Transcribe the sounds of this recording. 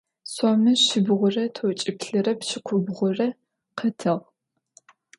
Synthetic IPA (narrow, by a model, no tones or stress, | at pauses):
sɔmɨʃɪbʁʷʊrɐtʰot͡ʃʼɪpɬɨrɐpʃɪqʷʰʊbʁʷʊrɐ | qʰɐtʰɨʁ